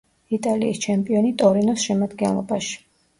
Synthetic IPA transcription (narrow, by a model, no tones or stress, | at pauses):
it̪ʼaliist͡ʃʰɛmpʼiɔnit̪ʼɔɾinɔsʃɛmad̪ɡɛnlˠɔ̰baʃi̥